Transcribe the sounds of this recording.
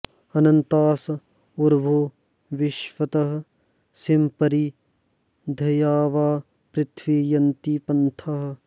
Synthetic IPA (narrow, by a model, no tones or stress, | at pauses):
ɐnɐnt̪aːs | uɾbʱo | ʋɪʃʋɐt̪ɐɦ | simpɐɾi | d̪ʱɐjaːʋaː | pɾɪt̪ʰʋijɐnt̪ipɐnt̪ʰɐɦ